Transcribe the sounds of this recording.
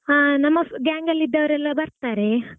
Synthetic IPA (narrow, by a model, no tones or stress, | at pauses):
anɐmːɐɡaːŋɡɐlːid̪ːɐʋɐɾɛlːɐbɐɾt̪aːɾe̞